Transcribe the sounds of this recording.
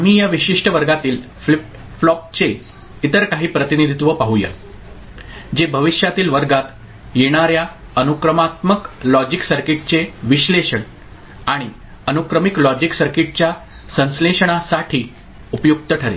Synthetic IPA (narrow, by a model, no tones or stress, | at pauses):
am̤iːjaʋiɕiʂʈəʋəɾɡat̪iːl | f | flɔp̚t͡se | it̪əɾkaɦiːpɾət̪inid̪ʱit̪ʋəpaɦuja̰ | d͡ʑebʱəʋiɕjat̪iːlʋəɾɡat̪ | jeɽ̃aɾjaənukɾəmat̪məklɔd͡ʑiksəɾkiʈ̚t͡seʋiɕleɕəɳ | aɽ̃i | ənukɾəmiklɔd͡ʑiksəɾkiʈ̚t͡ɕja | sə̃ñsleɕəɽ̃asaʈʰiː | upəjuk̚t̪əʈʰəɾḛ